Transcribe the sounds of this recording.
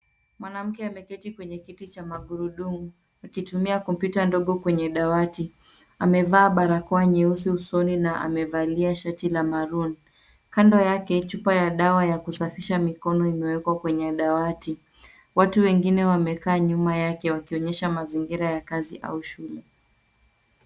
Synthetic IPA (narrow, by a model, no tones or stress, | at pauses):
mwanam̩kɛamɛkɛtikwɛɲɛkitit͡ʃamaɠuɾuɗumu | akitumiakɔmpjutandɔɠɔkwɛɲɛɗawati | amɛvaːɓaɾakɔaɲiusiusɔninaʔa̰mɛvaliaʃatilamaɾun | kandɔjakɛt͡ʃupajaɗawajakusafiʃamikɔnɔimɛwɛkwakwɛɲɛɗawati | watuwɛŋɡinɛwamɛkaːɲumajakɛwakiɔɲɛʃamaziŋɡiɾajakaziʔa̰uʃulɛ